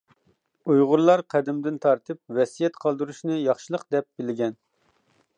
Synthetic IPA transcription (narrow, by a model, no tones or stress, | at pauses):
ujʁʊɾlˠɑɾqʰæd̪ɪmd̪ɪnt̪ʰɑɾt̪ʰɨp̚wɛsijɛt̪qʰɑlˠd̪ɨɾuʃnɨjɑχʃɨlˠəqd̪ɛp̚bɪlɡʲɛn